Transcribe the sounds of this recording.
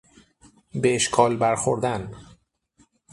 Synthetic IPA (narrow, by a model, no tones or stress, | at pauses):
beeʃkʰɒːlbæɾxoɾd̪æn